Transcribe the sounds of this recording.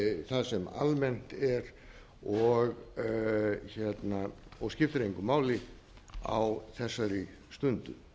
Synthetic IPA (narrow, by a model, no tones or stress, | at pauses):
θaðsɛma̰lmɛn̥t̪ɛɾ | ɔɣ | çɛt̪naɔɣscɪft̪ɾejŋkʏmaːwlɪ | a̰wθɛsːaɾɪ | st̪ʏnt̪ʏ̰